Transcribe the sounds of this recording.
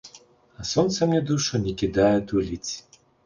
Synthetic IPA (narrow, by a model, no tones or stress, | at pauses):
ɐsɔnt̪sɐmnʲɛd̪uʃɔnʲɛkʲid̪ajɛd̪ulʲit͡sʲ